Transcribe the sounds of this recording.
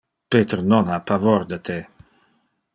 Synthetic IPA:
pet̪əɾnɔnapavoɾd̪ət̪ʰe

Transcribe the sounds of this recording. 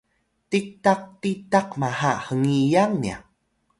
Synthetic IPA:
tik̚taq̚titaqmahahəŋijaŋnia̰

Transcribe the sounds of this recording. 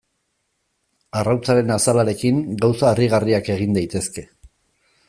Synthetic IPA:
arawt͡saɾe̞nasalaɾe̞kiŋɡawsaeriɣ̞ariake̞ɣ̞ind̪ajt̪e̞ske̞

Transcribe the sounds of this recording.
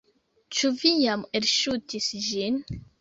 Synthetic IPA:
t͡ʃuvijameɾʃut̪isʒin

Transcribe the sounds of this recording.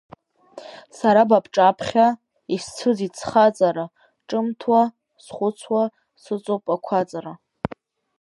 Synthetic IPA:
saɾabapʰʈ͡ʂʼapʰχʲa | ist͡sʰɨzit͡sʰχat͡sʼaɾa | ʈ͡ʂʼɨmtʰwa | sχʷʊt͡sʰwa | sɨt͡sʼopʼakʷʰat͡sʼaɾa

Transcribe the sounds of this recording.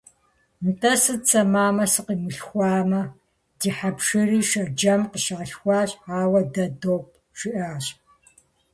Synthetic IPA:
mtʰɐsɨt͡sʰʼɐmaːmɐsɨqiːmɨɬxʷɑːmɐ | d̥iːħapʂɨriːʃɐd͡ʒɐmqəʃaːɬxʷɑːɕʼaːwɐdɐdoːp̚ʼ | ʃɪʔaːɕʼ

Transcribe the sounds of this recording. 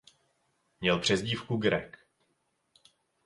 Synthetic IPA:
mɲɛlpr̝̥ɛzɟiːfkuɡɾɛk

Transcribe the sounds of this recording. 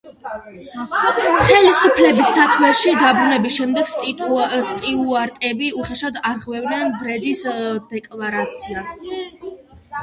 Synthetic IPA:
χɛlisupʰlɛbisːat̪ʰwɛʃid̪abɾunɛbisʃɛmd̪ɛɡ̥sʼst̪ʼiuaɾt̪ʼɛbiuχɛʃad̪aɾʁwɛvnɛnbɾɛd̪isd̪̥ɛkʼlˠaɾat̪sʰias

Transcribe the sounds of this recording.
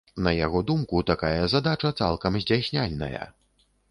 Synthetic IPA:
nɐjaɣɔd̪umkut̪akajɐzad̪at͡ʂɐt̪sa̰lˠkɐmzʲdʲd͡zʲajsʲnʲalʲnɐ̰jɐ̰

